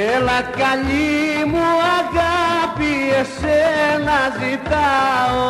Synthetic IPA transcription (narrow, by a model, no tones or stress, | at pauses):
ɛlɐkaʎimuaɣapiesenazit̪aw